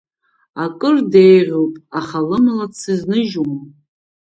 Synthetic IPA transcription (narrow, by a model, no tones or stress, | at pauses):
akʼɨrdejʁʲowpʼaχalɨmalat͡sʰɨznɨʒuma